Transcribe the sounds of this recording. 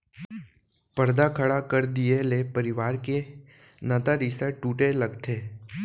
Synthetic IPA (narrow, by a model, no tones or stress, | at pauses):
pəɾd̪akʰəɭakəɾd̪ijelepəɾiʋaːɾke | nət̪aɾisaʈːuːʈeləɡt̪ʰeː